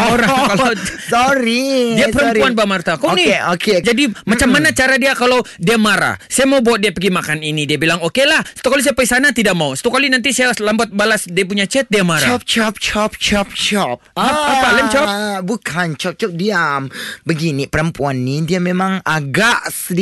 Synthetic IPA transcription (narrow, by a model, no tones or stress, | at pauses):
oɾaŋkalasɔɾidiapəɾəmɾuanbamart̪akonioked͡ʒadimat͡ʃamːanat͡ʃaɾadiakalawdiamaɾa̰sajamaubawaʔ̪̚diapəɡimakaninidiabilaŋokelahsḁt̪ukalis̬ajapəisanat̪idaʔ̚mausḁt̪ukalinant̪isajalambat̪̚balasdiap̬uɲat͡ʃɛt̪̚diamaɾaɔp̚t͡ʃɔp̚t͡ʃɔp̚t͡ʃɔp̚t͡ʃɔp̚aapalɛmt͡ʃɔbukʰant͡ʃɔp̚t͡ʃɔp̚diambəɡinipəɾəmpuanːidiamemaŋaɡaʔsəd